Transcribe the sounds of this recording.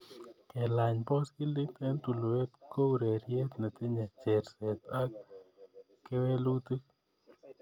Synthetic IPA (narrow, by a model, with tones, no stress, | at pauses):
kɛ˨la˨ɲpɔ˦skɪ˦lɪ˦t̪ɛ˦nt̪u˨lo˨we˦t̪ko˦ɾe˨ɾje˦t̪na˨t̪ɪ˦ɲa˨t͡ʃe˨ɾsɛ˨t̪a˦k | kːɪ˦we˦lu˦t̪i˦